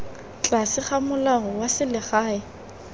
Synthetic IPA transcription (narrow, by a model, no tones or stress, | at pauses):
t͡ɬʼasɪχamʊlaɦɔwasɪlɪχaːɪ